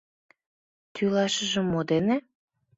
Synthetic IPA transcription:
t̪ʰylɑʃə̆ʒə̆mːod̪ene

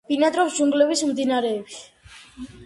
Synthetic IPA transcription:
b̥inat̪ʼɾɔfd͡ʒuŋɡlɛβismd̪inaɾɛːbit

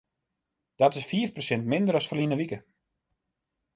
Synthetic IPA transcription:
d̥ɔtɪsfiːəfprosɛntmɪndəɾɔsfərlinəʋikə

